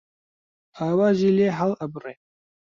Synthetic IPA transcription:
aːwaːʒiːleːɦalɐbɨreː

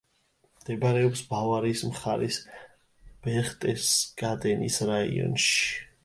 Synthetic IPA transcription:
md̪̥ɛbaɾɛɔpsbavaɾismχaɾis | b̥ɛχt̪ʼɛsɡ̥ad̪ɛnisɾaḭɔ̰nʃi̥

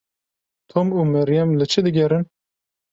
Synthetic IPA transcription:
t̪ʰomuːmɛɾjɛmlɨt͡ʃʰɨd̪ɨɡʲɛɾɨn

